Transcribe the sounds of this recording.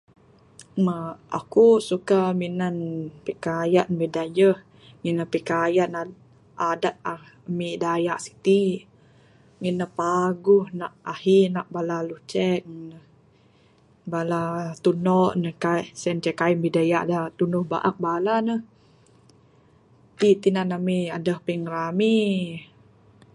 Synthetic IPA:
maa̰kusukaminanpikajaʔnbidajəh | ŋinəhpikajana | adat̪̚a | midajaʔsi̥t̪i | ŋinəhpaɡuhnaʔahinaʔbalalut͡ʃɛk̚nəh | balat̪unɔʔnəhkasɛnt͡ʃɛkainbidajaʔdat̪unʊhba̰ʔa̰k̚balanəh | t̪it̪inanamiadəhpiŋɾami

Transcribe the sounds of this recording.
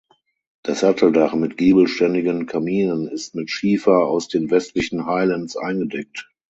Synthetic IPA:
d̥ashatʰl̩daχmɪtɡ̥iːbl̩ʃtɛndɪɡənkʰamiːnənɪstmɪtʃiːfɐa̰ʊsd̥eːnvɛstlɪçn̩haɪlantsʔa̰ɪnɡədɛk̚t

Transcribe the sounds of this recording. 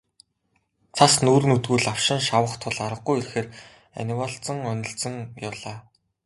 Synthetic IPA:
t͡sʰasnuːɾɘ̆nut̪ɣuːɮaw̥ʃɪ̆nʃawə̆χt̪ʰʊɮaɾə̆qːujirxeːr | æ̰nʲiwaɬt͡sə̆ŋœnʲɪ̆ɬt͡sɘ̆ŋjawɮaː

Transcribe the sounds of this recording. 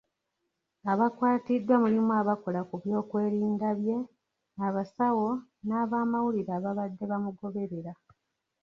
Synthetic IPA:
aβakwaːtidːwamulimwaːβako̞lakuβjo̞ːkwe̞ːɾiːndaβje̞ | aβasawo̞naːβaːmawuliɾaːβaβadːe̞βamuɡo̞βe̞ɾeɾa

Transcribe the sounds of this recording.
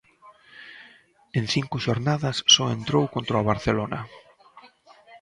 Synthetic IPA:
ẽnθiŋkʊʃoɾnaðasːɔent̪ɾowkont̪ɾoaβ̞aɾθelona

